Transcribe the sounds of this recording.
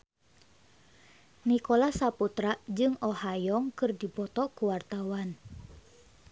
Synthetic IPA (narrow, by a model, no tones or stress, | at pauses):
nikolasaput̪ɾaʔd͡ʒɨŋɔhajɔŋkɨrdibɔt̪ɔkuwart̪awan